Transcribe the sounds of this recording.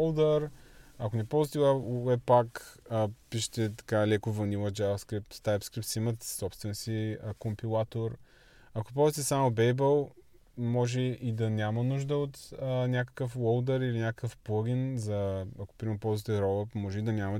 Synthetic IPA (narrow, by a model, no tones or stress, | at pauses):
lˠd̪əɾɐkonɛpɔwˠzit̪ɛwɛwɛpːakəpiʃɛ̥t̪ɛt̪ɐ̥kalɛkovɐnivˠəd͡ʒavɐskɾip̚t̪st̪ajpskɾip̚t̪simət̪sɔpst̪vɛnsikompilˠat̪oɾ | ɐko̥pɔzit̪ɛsamobɛjbəlˠ | mɔʒɛid̪ɐnʲamənuʒd̪əot̪ənʲjakə̥kəfwɔlˠd̪əɾilinʲakəkəfplˠoɡʲinzɐɐko̥pɾimɛpɔlˠzit̪ɛɾɔlˠəpmɔʒɛid̪ɐnʲamɐ